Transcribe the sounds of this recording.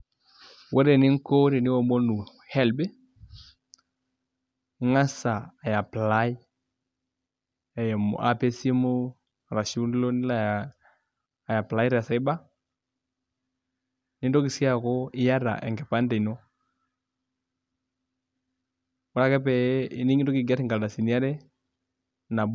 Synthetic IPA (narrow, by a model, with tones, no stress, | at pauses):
wo˦ɾe˨ni˦ŋ˦ko˦ɾe˨ni˦wɔ˨mo˦nu˨ | hɛ˦˨lbe˦ | ŋa˦saː˨ja˨pla˦i˦ | a˨jɛ˨m̰˨ʔa̰˨pe˦se˦mo˦ | a˨ɾa˨ʃi˦u˦n˦lo˦n˦la˨ | ja˨pla˨˦i˦ɾa˨a˨sa˨i˦ba˦ | ni˦ndo˦ki˨si˦a˨kɔ˦i˦ja˦ɾa̰˨ʔɛ̰˨ŋɡɛ˨pa˦ndɛ˨i˨no˦ | wɔ˦ɾa˦kɛ˦pɛ˨i˨ni˦ŋi˦ndo˦ki˨ɡa˦ɾi˦ŋɡa˨lda˨si˨ni˦a˦ɾɛ˦ | na˨b